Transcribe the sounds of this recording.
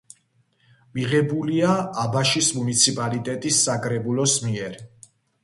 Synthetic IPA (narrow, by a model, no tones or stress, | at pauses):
miʁɛbuliaabaʃismunit̪sʰipʼalit̪ʼɛt̪ʼisːakʼɾɛbulɔsmiɛɾ